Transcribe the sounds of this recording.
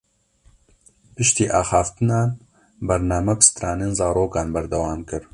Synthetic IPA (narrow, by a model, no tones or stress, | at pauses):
pɨʃt̪iːʔaːxɑːft̪ɨnɑːn | bɐɾnaːmɐbɨsɨ̥t̪ɾɑːneːnzɑːɾoːkɑːnbɐɾd̪ɐwɑːmkɨɾ